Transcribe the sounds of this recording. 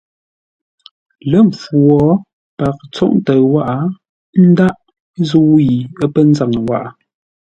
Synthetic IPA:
lə˦˨ɱ˨p͡fwɔ˨˦ | pa˨k̚t͡sɔ̰˦ʔn˦tə˨wa˦ʔa˨˦ | n̩˦da˦ʔ | zu˦wji˨ə˦pə˦n̩˦za˦˨ŋə˨wa̰˦˨ʔa˨

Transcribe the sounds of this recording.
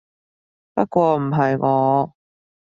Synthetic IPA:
pɐ˥t̚kʷwɔː˧m̩˨˩ɦɐ˨jŋɔː˨˧˦

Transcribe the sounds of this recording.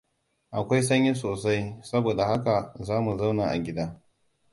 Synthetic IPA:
ʔa˨kʷa˦jsɐ˦ɲji˦s̬oː˨sa˦jsɐ˦boː˨da˨ha˦ka˨zaː˦mu˨za˦wnaː˨ʔa̰˨ɡʲɪ˦daː˦

